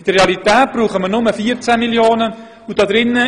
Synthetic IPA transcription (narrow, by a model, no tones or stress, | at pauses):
ɪd̥əreɑlitɛːt̚b̥ruːχəmənʊməfiːəɾt͡sæmiljoːnə | vod̥ɑdɾɪnːə